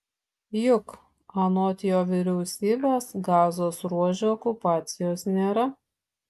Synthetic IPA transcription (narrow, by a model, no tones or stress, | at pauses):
jʊk | ɐnoːt̪ʲɪjoːʋʲɪɾʲɛʊsʲiːbʲesɡɑːzoːsɾuɔʒʲɛɔːkʊpɑːt̪sʲɪjoːsnʲeːɾɐ